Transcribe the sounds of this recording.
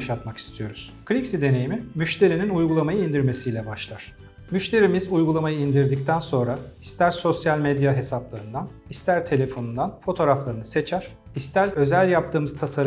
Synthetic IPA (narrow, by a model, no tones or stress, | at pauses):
ʃat̪maki̥st̪ʰijo̞ɾuz̥kɾʲiksid̪e̞nejimimyʃt̪ʰe̞ɾininujɡulˠamajɯind̪iɾme̞sijlʲɛbaʃlˠaɾ̥ | myʃt̪ʰe̞ɾimizujɡulˠamajɯind̪iɾd̪ic̚t̪ʰænso̞nɾaist̪ʰæɾso̞sjalʲmed̪jaɦe̞saplˠaɾɯnd̪an | ist̪ʰæɾt̪ʰe̞lʲe̞fo̞nund̪anfo̞t̪ʰo̞ːɾaflˠaɾɯnɯ̥se̞t͡ʃʰæɾ̥ | ist̪ʰæɾø̞zælʲjap̚t̪ʰɯːmɯz̥t̪ʰasaɾ